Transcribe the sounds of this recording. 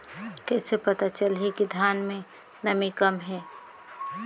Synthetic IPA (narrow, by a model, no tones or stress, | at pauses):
kɛːsepɐt̪at͡ʃəlɦekid̪ʱjaːnmẽ | nɐmikɐmɦɛː